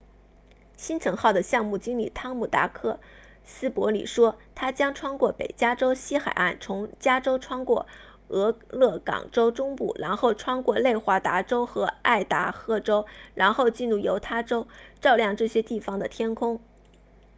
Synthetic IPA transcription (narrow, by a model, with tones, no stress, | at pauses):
ɕi˥nt͡sʰɤ˧˥ŋxɑ˥˩ʊd̪ə˩ɕjɑ˥˧ŋmu˥˩t͡ɕi˥nlḭ˨˩t̪ʰɑ˥ŋmu˨˩t̪a̰˧˥kʰɤ˥˩ | sɹ̩˥pwɔ˧˥lḭ˨˩ʂwɔ˥t̪ʰa˥t͡ɕjɑ˥ŋʈ͡ʂʰwɑ˥ŋkwɔ˥˩pḛ˨˩ɪt͡ɕja˥ʈ͡ʂo˥ʊɕi˥xa̰˨˩ɪa̰˥˩nt͡sʰʊ˧˥ŋt͡ɕja˥ʈ͡ʂo˥ʊʈ͡ʂʰwɑ˥ŋkwɔ̰˥˩ | ɤ˧˥lɤ˥˩kɑ̰˨˩ŋʈ͡ʂo˥ʊʈ͡ʂʊ˥ŋpṵ˥˩ɻʔa˧˥nxo˥˩ʊʈ͡ʂʰwɑ˥ŋkwɔ˥˧le˥˩ɪxwa˧˥t̪a˧˥ʈ͡ʂo˥ʊxɤ˧˥a˥˩ɪt̪a̰˧˥xɤ˥˩ʈ͡ʂo˥ʊɻa˧˥nxo˥˧ʊt͡ɕi˥˧nɻu˥˩jo˧˥ʊt̪ʰa˥˩ʈ͡ʂo˥ʊʈ͡ʂɑ˥˧ʊljɑ˥˧ŋʈ͡ʂɤ˥˩ɕjɛ˥t̪i˥˩fɑ˩ŋd̪ə˨t̪ʰjɛ˥nkʰʊ˥ŋ